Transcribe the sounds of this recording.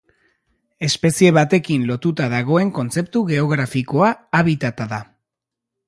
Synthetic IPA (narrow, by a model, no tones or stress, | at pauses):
e̞spe̞sie̞βat̪e̞kinlo̞t̪ut̪aðaɣ̞o̞e̞ŋko̞nt͡se̞p̚t̪uɣe̞o̞ɣɾafiko̞aːβ̞it̪at̪aða